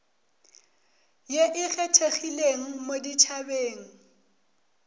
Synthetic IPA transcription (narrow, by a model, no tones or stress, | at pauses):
jeʔɪɣɛtʰeɣileŋ̩modit͡ʃʰabeːŋ̩